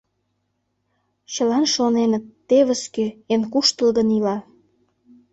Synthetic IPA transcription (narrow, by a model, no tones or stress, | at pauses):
t͡ɕəlɑnʃonenət̪ːeβəskøenkuʃt̪əlɣənilɑ